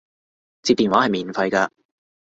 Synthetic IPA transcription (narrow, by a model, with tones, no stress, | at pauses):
t͡siː˧p̚t̪iː˨nwaː˨˥hɐ˨jmiː˨˩nfɐ˧jka˧